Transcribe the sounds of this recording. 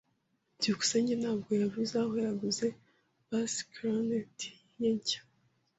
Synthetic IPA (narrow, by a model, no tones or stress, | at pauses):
duku̥seɲɟenhaːbɡojaβuzahojaɡuze | b̥askɾanetʰi̥ | jeɲcḁ